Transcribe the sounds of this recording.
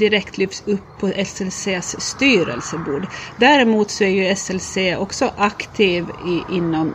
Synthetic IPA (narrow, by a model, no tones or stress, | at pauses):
d̪ɪɾɛkt̪ʰlyːfsɵpʰːɔʔɛsɛlseːsst̪yːɾə̰lsəbuːɖ̪d̪æɾɪmuːt̪sɔæɾjʉɛsɛlseːʔɔksɔʔɑkt̪ʰiːʋɪʔɪnːɔm